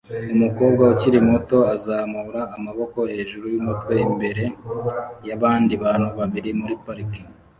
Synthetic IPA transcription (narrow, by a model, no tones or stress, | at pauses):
umuko̞ːb̚ɡauciɾimoto̞azaːmuːɾaːmaβo̞ko̞he̞ːʒuɾujumutwe̞imbe̞ɾe̞ | jaβaːndiβaːn̥huβaβiɾimuɾipaɾiki̥